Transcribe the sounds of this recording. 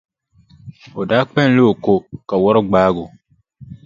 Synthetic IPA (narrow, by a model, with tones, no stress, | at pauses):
o˨daː˦k͡pɛ˦n˦le˦o˨ko˨ka˨wɔ˦ɾʊ˦ɡ͡baː˦ɡʊ˨